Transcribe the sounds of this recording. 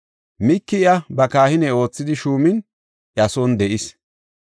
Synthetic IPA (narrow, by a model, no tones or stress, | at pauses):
mɪkːɪjɐbɐkaːhɪnɛo̞ːt͡sːɪd̪ɪʃuːmɪn | ʔjɐsɔnd̪ɛʔɪs